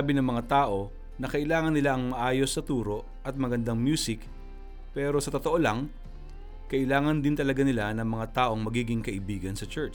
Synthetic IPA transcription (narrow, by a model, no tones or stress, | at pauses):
abɪnɐŋmɐŋat̪aːʔo̞ | nɐkɐʔɪlaːŋɐnːɪlaʔɐŋmɐʔaːjo̞sːɐt̪uːɾo̞ʔʔɐt̪̚mɐɡɐnd̪aŋmjuːsɪk | pɛːɾo̞sɐt̪o̞t̪oʔo̞laŋ | kɐʔɪlaːŋɐnd̪ɪnt̪ɐlɐɡanɪlanɐŋmɐŋat̪aːʔo̞ŋmɐɡiːɡɪŋkɐʔɪbiːɡɐnsɐt͡ʃɛt͡ʃ